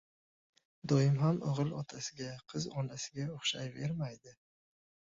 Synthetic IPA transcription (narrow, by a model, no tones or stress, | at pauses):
d̪ojɪmɦamoʁɨlˠɒt̪ʰasɪɡʲaqʰɨzɒnasɪ̥ɡʲaoχʃajve̞ɾmajd̪ɪ